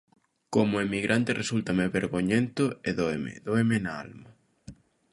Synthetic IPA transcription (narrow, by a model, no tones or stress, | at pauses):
komoemiɣɾʔant̪erʔesult̪ameβeɾɣoɲent̪oeðoemḛðoemenaa̰lma